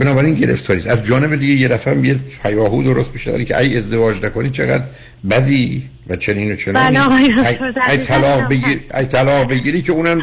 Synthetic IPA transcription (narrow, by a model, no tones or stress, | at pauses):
benɒːbæɾinɟe̞ɾḛft̪ʰɒːɾiːsæzd͡ʒɒːne̞bed̪iɡejed̪æfææmijepʰæjɒːɦuːd̪oɾost̪beʃezæ̰ɾicʰeæ̰ɟezd̪e̞vɒːd͡ʒnækʰoniːt͡ʃʰe̞ɣæ̰d̪ | bæd̪iː | væt͡ʃʰeniːnot͡ʃʰeniːnææt̪ʰælɒːɣbeɡiɾæ̰t̪ʰælɒːɣbe̞ɡiːɾiːkʰeuːnæm